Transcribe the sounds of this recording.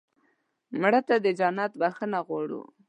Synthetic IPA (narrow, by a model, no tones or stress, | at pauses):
mɽət̪ad̪əd͡ʒanat̪baxənaɣwɑɽṵ